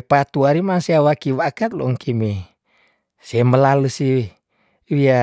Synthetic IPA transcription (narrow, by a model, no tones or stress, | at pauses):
pat̪uaɾimaŋsiawakiwakat̪̚lo̰ŋkʰime | sieməlaləsii | wia